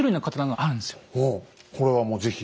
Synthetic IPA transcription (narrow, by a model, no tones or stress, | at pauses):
ɾɯ̟inakat̪anaŋɡaʔaɾɯ̟nd̪sɨ̥johokʰo̞ɾe̞βamo̞ːze̞çʲi